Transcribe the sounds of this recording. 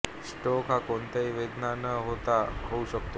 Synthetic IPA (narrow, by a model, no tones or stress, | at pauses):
sʈɔkɦakoɳt̪aiʋed̪nanəɦot̪aɦouɕək̚t̪o